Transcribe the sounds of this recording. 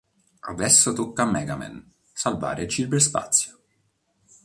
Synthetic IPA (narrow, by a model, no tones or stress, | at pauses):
ovɛsːot̪ukːamːɛɡamɛ̰n | salva̰ːɾed͡ʒibeɾspa̰t̪sːjo̥